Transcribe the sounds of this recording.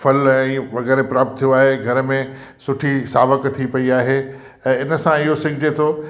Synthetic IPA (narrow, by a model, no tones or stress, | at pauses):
fɐlɛ̃ːʋɐɣɛːɾepɾaːp̚t̪t̪ʰːijoaːɦeɡʱɐɾəmẽ | sʊʈʰisaːʋəkt̪ʰipɐiaːɦe | ɛ̃ːɪnəsãɪɦosɐ̃ŋɡʱɪd͡ʑet̪ʰoː